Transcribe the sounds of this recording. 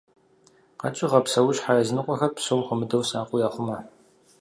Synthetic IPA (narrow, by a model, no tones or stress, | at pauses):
qɐ̰t͡ʃʼɪʁɐpsɐwʊɕħaːjɐzɨnɨqʷʼɔxɐrpsoːmχʷʊmɨdɐwsaːqʷʼʊjaːχʷʊmɐ